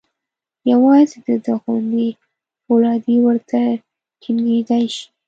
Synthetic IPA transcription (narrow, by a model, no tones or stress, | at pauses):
jawɑzed̪əd̪əɣwand̪i | lɑd̪iwəɾt̪a | ʈʰinɡed̪ajʃi̥